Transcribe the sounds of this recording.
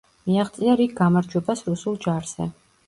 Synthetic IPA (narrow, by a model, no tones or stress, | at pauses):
miaχt̪sʼiaɾik̚ɡamaɾd͡ʒwɛbasɾusulˠd͡ʒaɾz̥ɛ